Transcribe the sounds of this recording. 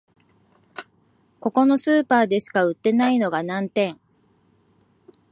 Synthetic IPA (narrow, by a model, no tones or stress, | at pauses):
ko̞ko̞no̞sɨːpaːd̪e̞ɕi̥kaɯ̟t̪ːe̞naino̞ɡanãnt̪ẽ̞ŋ